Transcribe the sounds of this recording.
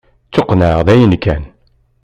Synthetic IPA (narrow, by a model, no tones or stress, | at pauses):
t͡sːoqnæʁðæjənkːæn